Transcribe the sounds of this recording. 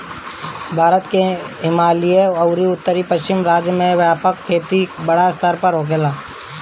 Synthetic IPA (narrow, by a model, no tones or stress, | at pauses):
bʱaːɾət̪keɦɪmaːlieəʊɾiʊt̪ːəɾipəʃt͡ʃɪmɾaːd͡ʒjəmẽʋjaːpəkʰːeːt̪ibəɽaɪst̪ʰəɾpəɾɦoːk̬eːlaː